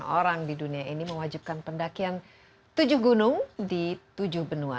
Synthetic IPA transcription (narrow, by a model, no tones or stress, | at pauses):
oɾaŋdiduniaʔiniməwad͡ʒip̚kanpəndakian | t̪ud͡ʒʊhɡunʊŋdit̪ud͡ʒʊhbənua̰